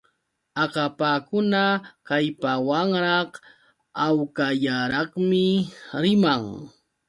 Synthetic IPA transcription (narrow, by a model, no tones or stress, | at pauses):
ɑqapakʊnakajpawaŋɾɑχ | awkajaɾɑχmɪɾɪmaŋ